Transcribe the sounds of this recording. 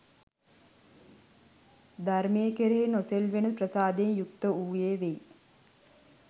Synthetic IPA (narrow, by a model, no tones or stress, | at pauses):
d̪armeːkeɾeːnoselʋenəprəsaːd̪enjukt̪əuːjeːʋej